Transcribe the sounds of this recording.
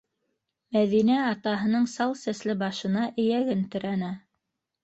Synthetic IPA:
mæðinæɑt̪ɑɦɤ̆nɤɴsɑlˠsæslɘbɑʃɤ̆nɑʔɘ̆jæɡɘnt̪ɵ̆ɾænæ

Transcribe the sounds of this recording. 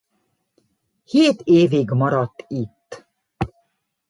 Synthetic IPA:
heːt̪eːviɡmɒɾɒt̪ːit̪ː

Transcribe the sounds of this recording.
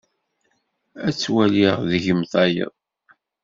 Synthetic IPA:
æt͡sːwæliʁðʝəmθɑjə̰ðˤ

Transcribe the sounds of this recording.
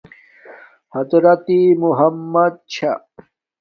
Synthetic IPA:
hɐd̪ɾɐt̪imuɦɐmːɐd̪̚t͡ɕʰa

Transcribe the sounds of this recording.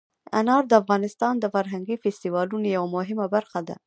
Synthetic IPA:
a̰nɑɾd̪əafɣɑnɪst̪ɑnd̪əfaɾɦaŋɡifest̪iwɑlunojawamʊɦɪmabaɾxad̪a̰

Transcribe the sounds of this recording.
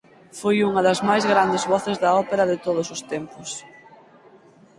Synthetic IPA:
fojuŋɐðɐzmajzɣɾand̪ɪzβɔθezðɐɔpeɾɐðɪt̪oð̞ʊsʊst̪ɛmpʊs

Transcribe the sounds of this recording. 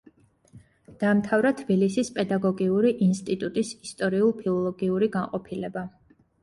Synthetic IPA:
d̪̥aːmt̪ʰavɾat̪ʰb̥ilisispʼɛd̪aɡɔɡiuɾiʔinst̪ʼit̪ʼut̪ʼisist̪ʼɔɾiulˠpʰilˠɔlˠɔɡiuɾiɡaŋqʼɔpʰilɛba

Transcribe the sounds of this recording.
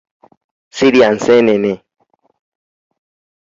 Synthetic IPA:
siɾian̩sɛnɛne

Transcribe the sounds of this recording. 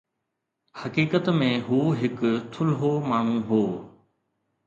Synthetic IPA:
hɐkiːkət̪mẽɦuːɦɪkt̪ʰʊlɦomaːɳ̤ũɦoː

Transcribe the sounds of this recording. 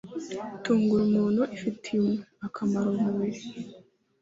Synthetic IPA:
tuːŋɡuɾumuːnhuʔifitʰimweakʰamaɾomuβiɾe

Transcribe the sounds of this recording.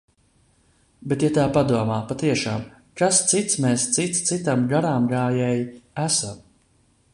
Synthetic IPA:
bet̪jat̪aːpad̪uɔmaːpat̪iɛʃaːm | kast̪sit̪smeːst̪sit̪st̪sit̪amɡaɾaːmɡaːjɛjæsam

